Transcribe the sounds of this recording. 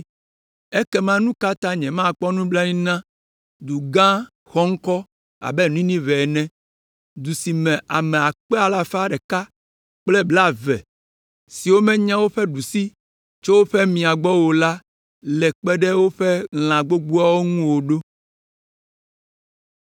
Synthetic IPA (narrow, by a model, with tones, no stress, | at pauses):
ɛ˦kɛ˦mã˦nũ˦ka˦t̪ã˦ɲɛ̃˨mã˦˨k͡pɔ˦nũ˦bla˦nĩ˦nã˦ | d̪u˨ɡã˦ | xɔ˦ŋ̩˦kɔ˦ | a̰˨bɛ˦n˦ĩ˦nĩ˦vɛ˨nɛ̃˦ | d̪u˨si˨mɛ̃˨ʔa˨mɛ˨a˨k͡pɛ˦a˨la˨fa˦ɖɛ˨ka˦ | k͡plɛ˦bla˦vɛ˨ | si˨wo˦mɛ̃˦ɲã˦wo˦ɸɛ˦ɖu˨si˦ | t͡ʃo˦wo˦ɸɛ˦mĩ˨a˨ɡ͡bɔ˦wo˨la˦ | lɛ˨k͡pɛ˦ɖɛ˦wo˦ɸɛ˦ŋl̃ã˨ɡ͡bo˦ɡ͡bu˦a˦wo˦ŋũ˦wo˨ɖo˦